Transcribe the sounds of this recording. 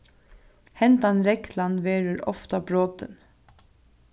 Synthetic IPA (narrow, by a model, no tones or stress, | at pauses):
hɛnt̪anɾɛklanʋɛːɾəɾɔ̰ft̪abɾoːt̪ɪ̰n